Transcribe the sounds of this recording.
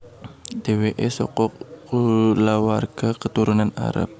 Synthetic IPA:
d̥eweʔɛsɔ̰kɔkulawarɡ̥akət̪uɾunana̰ɾa̰p̚

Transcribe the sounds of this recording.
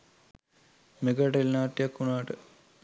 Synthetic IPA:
meɡaʈelnaːʈ̪ːijakːunaːʈə

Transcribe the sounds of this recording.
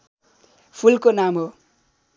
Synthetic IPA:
pʰulkonamɦo

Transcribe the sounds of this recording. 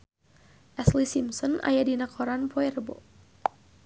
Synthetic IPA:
ʔɛslisimsɔna̰jadinakʰɔɾanpɔɛɾbo̰

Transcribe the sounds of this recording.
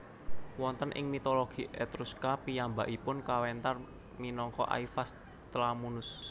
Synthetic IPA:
wɔnt̪ənʔɪ̰ŋmit̪oloɡ̥i̤ʔɛt̪ɾuskapijamba̰ʔipʊnkawɛnt̪ar | minɔŋkɔ̰ʔa̰ifas | t̪lamunʊs

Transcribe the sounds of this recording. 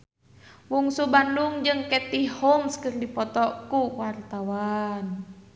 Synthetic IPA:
wuŋsubanduŋd͡ʒɨŋkɛt̪ihhɔŋskɨrdipɔt̪ɔkuwart̪awan

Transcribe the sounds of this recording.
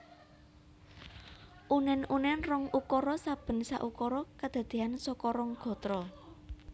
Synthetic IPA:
ʔunɛnunɛnrɔŋukɔɾɔsab̥ə̤nsa̰ʔukɔɾɔkad̪̥a̤d̪̥e̤ansɔkɔɾɔŋɡ̥ɔ̤t̪ɾɔ

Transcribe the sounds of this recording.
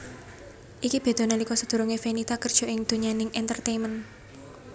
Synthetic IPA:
ʔikib̥e̤d̪̥ɔ̤nalikɔsəd̪̥ṳɾuŋefenit̪akərd̥ʒ̥ɔ̤ʔɪŋd̪̥o̤ɲanɪŋʔɛnt̪ərt̪emən

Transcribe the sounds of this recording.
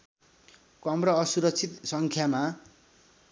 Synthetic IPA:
kʌmrʌːsuɾʌk̚t͡sʰit̪sʌŋkʰjama

